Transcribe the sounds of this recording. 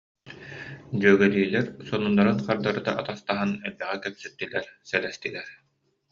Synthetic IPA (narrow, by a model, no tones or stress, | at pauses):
d͡ʑyːɡɛliːlɛɾsɔnunːaɾɯnqaɾd̪aɾɯd̪a̰ʔat̪ast̪aɦanɛlbɛʁɛkɛpsyt̪ːilɛɾsɛlɛst̪ilɛɾ